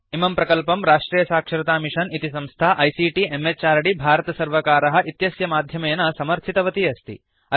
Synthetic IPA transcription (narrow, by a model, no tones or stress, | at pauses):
imɐmpɾɐkɐlpɐmɾaːʂʈɾiːjɐsaːkʂɐɾɐt̪aːmiʂɐnit̪isɐ̃mst̪ʰaːʔɐjsiːʈiemet͡ʃaːɾɐɽibʱaːɾɐt̪ɐsɐɾʋɐkaːɾɐɦɐ̆ʔit̪jɐsjɐmaːd̪ʱjɐmɐjɐnɐsɐmɐɾt̪ʰit̪ɐʋɐt̪iɐst̪ḭ | ɐ